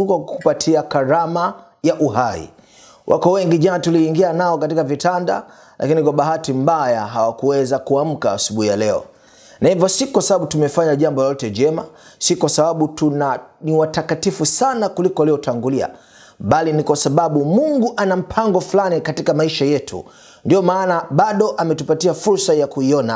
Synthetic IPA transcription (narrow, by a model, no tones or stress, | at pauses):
kakupatʰiakaɾama | jaʔuɦaḭ | wʔa̰kɔwɛŋɡiʄanatuliːŋɡianaɔkat̬ikavitanda̰ | lʔa̰kinikwaɓaɦatim̩bajaɦawakuwɛzakuam̩kaːsuɓuhijalɛɔ̰ | nahivɔsikwasaɓaɓutumɛfaɲaʄambɔjɔtɛd͡ʒɛmasikwasaɓaɓutunaniwatakatifusanakulikɔalijɔtaŋɡulia̰ | ɓalinikwasaɓaɓumuŋɡuʔanam̩pʰaŋɡɔflanikatikamaiʃajɛtʰṵ | ndiɔmaːnaɓaɗɔʔamɛtupatiafuɾsajakuiɔna̰